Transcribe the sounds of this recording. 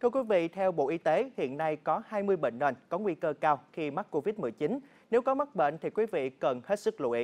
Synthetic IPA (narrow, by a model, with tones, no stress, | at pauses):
t̪ʰɨ˧əkwi˨˦vḭ˧˨t̪ʰɛ˧wɓo̰˧˨ʔi˨˧˦t̪e˨˦hḭ˧˨ənːa˧jkɔ˨˦haː˧jmɨ˧əjɓḛ˧˨ŋlə˨˩nkɔ˨˦ŋwi˧kəː˧kaː˧wxi˧ma˦˥k̚kːo˧vi˦˥t̚mɨ˨˧˩əjt͡ɕi˨˦n | ne˨˦wkɔ˨˦ma˦˥k̚ɓḛ˧˨nt̪ʰi˨˩kwi˨˦vḭ˧˨kə˨˩nhe˦˥t̚sɨ˦˥k̚lṵ˧˨ʔi˨˧˦